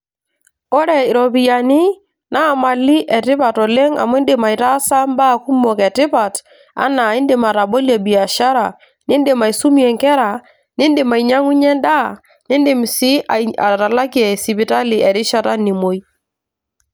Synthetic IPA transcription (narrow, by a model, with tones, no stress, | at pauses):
ɔ˦ɾɛ˦˨ɪ˨ɾɔ˨pi˨ja˨nɪ˦ | naː˦˨ma˨li˦ʔɛ˨tɪ˦pa˨tɔ˨le˦ŋa̰˨m˦ndɪ˨ma˨i˨ta˦sa˦mba˦˨ku˦mo˨kɛ˨tɪ˦pa˨t | a̰˦na˨ɪ˦ndɪ˨ma˨ɾa˨bo˦lɛ˨bi˨a˨ʃa˦ɾa˨ | nɪ˦ndɪ˨ma˨i˨su˦miɛ˨ŋkɛ˦ɾa˨ | nɪ˦ndɪ˨ma˨i˨ɲa˦ŋu˦ɲɛ˦nda˦ | nɪ˦ndɪ˨m˨si˦a˨a̰˨ɾa˨la˦ki˦ɛ˨si˨pi˨ta˦li˨ɛ˨ɾɪ˦ʃa˦ta˦ni˨mo˨i˦